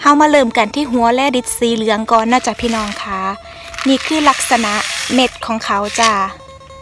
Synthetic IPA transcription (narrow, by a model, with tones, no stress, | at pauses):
ha˧˥˨wmaː˧lɤː˧˩mka˨˩nt̪ʰiː˧˩˨ɦu˨˦ɐlɛː˧˩˨di˧˦˥t̪̚siː˨˦lɯ˨˦ɐŋkɔː˧˨nːaː˧˩t͡ɕa˧pʰiː˧˨nɔː˧˩ŋkʰaː˧˥ | niː˧˩˨kʰɯː˧˥˩la˧˥k̚sa˧na˧˦ʔme˧˥t̪̚kʰɔː˨˦ŋkʰa˨˦wt͡ɕa˧˩